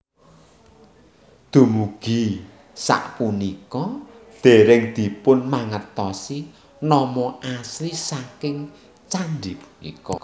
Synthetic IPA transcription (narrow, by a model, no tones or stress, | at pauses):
d̪̥ṳmuɡ̥i̤ | sa̰ʔpunikɔd̪̥e̤ɾɪŋd̪̥i̤pʊnmaŋət̪ɔsi | nɔmɔʔaslisakɪŋ | t͡ʃandipu̥nḭkɔ̰